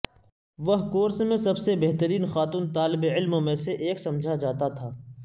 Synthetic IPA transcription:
ʋɐɦkoːɾsmẽsɐbsebeɦt̪əɾiːnxaːt̪uːnt̪aːlɪbeɪlmõmẽseʔeːksɐ̃md͡ʒʱad͡ʒaːt̪at̪ʰaː

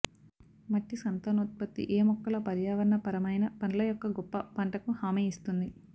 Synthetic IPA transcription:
mɐʈːisɐnt̪ɐnuːt̪̚pɐt̪ːḭʔeːmɔkːɐlɐpɐɾjaːʋɐɾnɐpɐɾɐmɐjnɐpɐnlɐjɔkːɐɡɔpːɐpɐɳʈɐkuhaːmeist̪und̪i

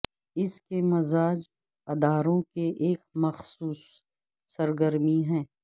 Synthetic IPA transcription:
ɪskemɐzaːd͡ʒ | ɐd̪aːɾõkeʔeːkmɐxsuːsː | ɐɾɡəɾmiɦɛ̃ː

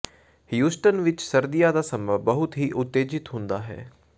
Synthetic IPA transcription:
hijuːsʈənʋɪt͡ʃsɐɾd̪ijad̪aːsɐmbəbəɦʊt̪ɦiːʔʊt̪ːeːd͡ʒɪt̪ɦʊ̃nd̪aːɦɛ̰ː

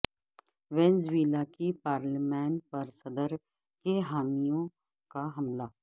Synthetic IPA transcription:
ʋẽnzʋiːlakipaːɾlmɛ̃ːɳʈ̚pɐɾsɐd̪əɾ | keɦaːmijõ | kaɦɐmlaː

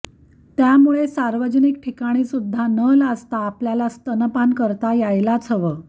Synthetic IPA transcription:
t̪jamuɭesaɾʋəd͡ʑənik̚ʈʰikaɽ̃isud̪ʱːanəlast̪aːpljalast̪ənəpankəɾt̪ajajlat͡sʰəʋə

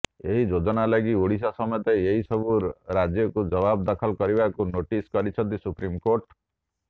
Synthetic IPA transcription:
eɦid͡ʒod͡ʒɔnalaɡioɽis̬asɔmɔɔt̪eeɦisɔbuɾad͡ʒjɔkud͡ʒɔbabd̪ɔkʰɔlkɔɾibakunoʈiskɔɾit͡ʃʰɔnt̪isupɾimkoɾʈ

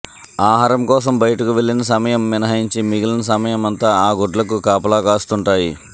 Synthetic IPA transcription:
aːɦaːɾɐmkɔːs̬ɐmbɐjɐʈɐkuʋe̞ɭːinɐs̬ɐmɐjɐmːinɐɦɐjiɲt͡ʃimiɡilɐnɐsɐmɐjɐmɐnt̪aːaːɡoɖlɐkukaːpɐlaːkaːst̪uɳʈaːji

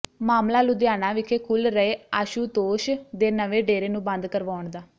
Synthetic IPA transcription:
maːmlaːlʊd̪jaːnaːʋɪkʰeːkʰʊlɾəeːaːʃuːt̪oːʃd̪eːnəʋeːɖeːɾeːnũːbə̃nd̪kəɾʋaːɳd̪aː

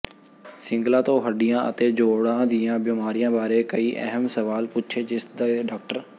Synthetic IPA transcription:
sɪ̃ŋɡlãːt̪õːɦəɖijãːʔə̰t̪eːd͡ʒoːɽãːd̪iːãːbiːmaːɾijãːbaːɾeːkəiːʔɛ̰ɦəmsəʋaːlpʊtːt͡ʃʰeːd͡ʒɪsd̪aːɖaːk̚ʈəɾ

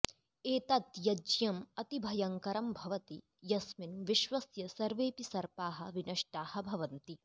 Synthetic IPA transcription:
eːt̪ɐt̪jɐd͡ʒjɐmɐt̪ibʱɐjɐŋkɐɾɐmbʱɐʋɐt̪i | jɐsminʋiʃʋɐsjɐsɐɾʋeːpisɐɾpaːɦɐ̆ʋinɐʂʈaːhɐ̆bʱɐʋɐnt̪i

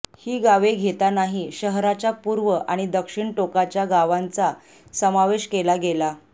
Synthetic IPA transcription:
hiːɡaʋeɡʱet̪anaɦiɕəɦɾat͡ɕapuɾʋəʔaɽ̃id̪əkʂiɳʈokat͡ɕjaɡaʋant͡sa | səmaʋeɕkelaɡela

